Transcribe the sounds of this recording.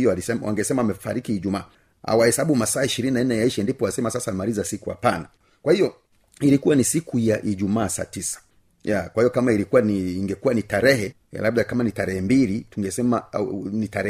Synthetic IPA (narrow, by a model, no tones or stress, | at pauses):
ijɔalisɛwa̰ŋɡɛsɛmawamɛfa̰ɾikiiʄumaː | ha̰wahɛsaɓumasaːiʃiɾininanɛjaiʃɛndipɔwasɛmasasamalizasikuha̰pana | kwahijɔ | ilikuwanisikujaʔiʄumaːsa̰tisḁ | jakwahijɔkamaiɾikuaiːŋɡɛkuwanitaɾɛhɛ̰ | laɓɗakamanitaɾɛhɛmbilituŋɡɛsɛmanitaɾɛ